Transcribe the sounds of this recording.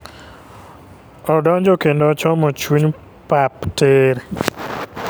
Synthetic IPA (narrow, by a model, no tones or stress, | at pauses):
ɔdɔɲd͡ʒokendot͡ʃɔmɔt͡ʃuɲ | papteɾ